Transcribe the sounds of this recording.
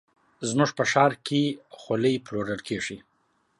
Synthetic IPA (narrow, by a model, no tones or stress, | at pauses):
zmuʐpəʃɑɾkexolejploɾəlkeʐi